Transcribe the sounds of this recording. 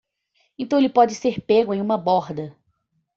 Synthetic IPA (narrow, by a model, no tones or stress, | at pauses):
ẽt̪ɐ̃w̃elɪpɔd͡ʒɪseɾpeɡʊẽj̃ũmɐbɔɾd̪ɐ